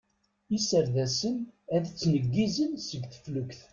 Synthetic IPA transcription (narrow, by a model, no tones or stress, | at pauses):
isəɾðæsənæðt͡sːnəɡːizənsəɡθə̥flukθ